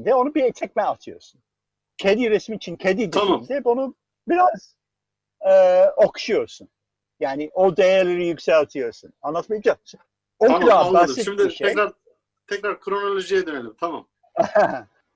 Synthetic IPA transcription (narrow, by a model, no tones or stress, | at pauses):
d̪ɛo̞nubit̪ʰɛc̚mɛat̪ʰɯjoɾsun | cʰed̪iɾɛsmiːt͡ʃʰincʰed̪id̪amimʲd̪ɛbonu | biɾaz̥ | ɛːokʰu̥ʃujo̞ɾsun | jaːniʔod̪ejæɾlʲeɾijycsɛlʲat̪ʰɯjo̞ɾsunanlˠat̪maijd͡ʒat͡ʃʰ | oud̪aaiʃmd̪iʃeɛjɾaɾ | t̪ʰɛkɾaɾkʰɾonolʲoʒijɛd̪ønelʲimt̪ʰama̰m | hɛ